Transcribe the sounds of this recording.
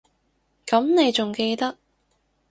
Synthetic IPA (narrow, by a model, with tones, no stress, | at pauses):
kɐ˨˥mne˨˧jt͡sʊ˨˩ŋke˧jt̪ɐ˥k̚